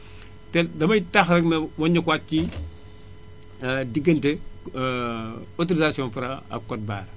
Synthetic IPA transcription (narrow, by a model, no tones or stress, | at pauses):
tɛdɐmɐjtaxɾɛkmɛwɔɲɐkwat̚ci | diɡːɐntɛ | ɔt̬oɾizasiɔːnfɐɾɐɐ̰kːɔt̚ba̰ːɾ